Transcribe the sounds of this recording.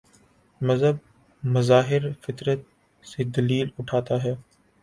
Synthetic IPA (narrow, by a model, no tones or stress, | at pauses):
məzɦəb̚ | məzaːɦɪɾfɪt̪ɾət̪̚ | seːd̪ɐliːlʊʈʰaːt̪aːɦɛː